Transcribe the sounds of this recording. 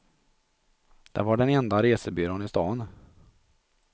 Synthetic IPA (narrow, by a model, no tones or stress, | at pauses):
d̪̥ɛ̰vaɖɛnɛnd̪aɾeːsəbyːɾoːnɪst̪ɑːn